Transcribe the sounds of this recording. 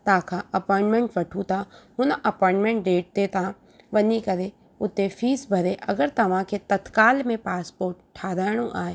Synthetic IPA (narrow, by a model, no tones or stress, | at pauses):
t̪ãːkʰaɐpɔːɪ̃ɳʈmẽɳʈʋɐʈʰut̪aɦʊnʔɐpɔːɪ̃ɳʈmẽɳʈ̚ɖeːʈ̚t̪et̪ã | ʋɐnikɐɾe | ʊt̪efʰiːsbʱɐɾeʔɐ̰ɡəɾt̪ɐʋ̤ãkʰet̪ɐt̪kaːlmẽpaːspoːɾʈʈʰːaːɾaːɽ̃oʔaːeː